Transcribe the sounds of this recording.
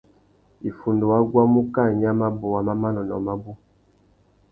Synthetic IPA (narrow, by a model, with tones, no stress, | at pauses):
i˨fu˨ndo˨wa˦ɡwa˦mu˦ka˦˨ɲ˦a˦ma˦bo˨wa˨ma˦ma˦nɔ˨nɔ˨ma˦bu˦